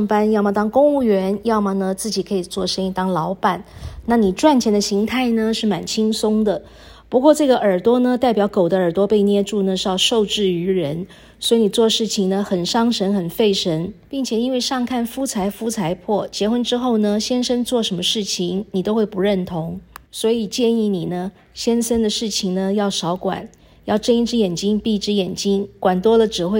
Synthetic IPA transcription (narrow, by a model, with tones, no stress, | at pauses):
ŋpa˥njɑ˥˩ʊma˨˩t̪ɑ˥ŋkʊ˥ŋu˥˩ɥɛ˧˥njɑ˥˩ʊma˨nə˩t͡sɹ̩˥˩t͡ɕi˨˩kʰɤ˧˥i˨˩t͡swɔ˥˩ʂə˥ni˧˥t̪ɑ˥ŋlɑ˧˥ʊpa˨˩˦nna˥˩ni˨˩ʈ͡ʂwa˥˩nt͡ɕʰjɛ˧˥nd̪ə˧˩ɕi˧˥ŋt̪ʰa˥˩ɪnə˩ʂɻ̩˥˩ma˨˩nt͡ɕʰi˥ŋsʊ˥ŋd̪ə˨ | pu˧˥kwɔ˥˧ʈ͡ʂɤ˥˩ɡə˩ʔə˞˨˩t̪wɔ˥nə˧t̪a˥˩ɪp̬jɑ˧˥ʊko˨˩ʊd̪ə˦ə˞˨˩t̪wɔ˥pe˥˧ɪnjɛ˥˧ʈ͡ʂu˥˩nə˩ʂɻ̩˥˧jɑ˥˧ʊʂo˥˧ʊʈ͡ʂɻ̩˥˩y˧˥ɻə˧˥n | swi˧˥ni˨˩t͡swɔ˥˧ʂɻ̩˥˩t͡ɕʰi˨˩ŋnə˦xə˨˩nʂɑ˥ŋʂə˧˥nxə˨˩nfe˥˩ɪʂə˧˥npi˥˩ŋt͡ɕʰjɛ˨˩i˥nwe˥˧ɪʂɑ˥˧ŋkʰa˥˩nfu˥t͡sʰa˧˥ɪfu˥t͡sʰa˧˥ɪpʰwɔ˥˩t͡ɕjɛ˧˥xwə˥nʈ͡ʂɻ̩˥xo˥˩ʊnə˩ɕjɛ˥nʂə˥nt͡swɔ˥˩ʂə˧˥nmə˧ʂɻ̩˥˩t͡ɕʰi˩ŋni˨˩t̪o˥ʊxwe˥˩ɪpu˧˥ɻə˥˩nt̪ʰʊ˧˥ŋswɔ˧˥i˨˩t͡ɕjɛ˥˧ni˥˩ni˨˩nə˦ | ɕjɛ˥nsə˥nd̪ə˨ʂɻ̩˥˩t͡ɕʰi˨˩ŋnə˩jɑ˥˩ʊʂɑ˧˥ʊkwa̰˨˩˦n | jɑ˥˩ʊʈ͡ʂə˥˧ni˥ʈ͡ʂɻ̩˥˧jɛ˨˩nt͡ɕi˥ŋpi˥˧ʈ͡ʂɻ̩˥jɛ˨˩nt͡ɕi˥nkwa˨˩nt̪wɔ˥lə˨ʈ͡ʂɻ̩˨˩xwe˥˧